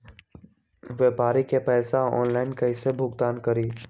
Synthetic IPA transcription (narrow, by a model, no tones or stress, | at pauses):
ʋeːpaːɾikepɛːsaɔ̰ːnlaːɪnkɐɪsebʱʊɡt̪aːnkɐɾiː